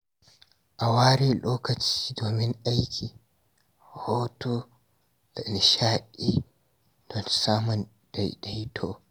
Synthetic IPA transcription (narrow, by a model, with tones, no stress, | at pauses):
ʔa˨waː˦ɾeː˦loː˦kɐ˨t͡ʃi̥ː˦doː˨mɪ˦ŋʔa˦jkʲʰiː˨ | ho˦to˦ | d̥a˨ɪ˨nʃaː˦ʔi˦ | d̥ɔ˨n˨saː˦mɔ˨n | d̥a̰˨jda˨jtʰoː˦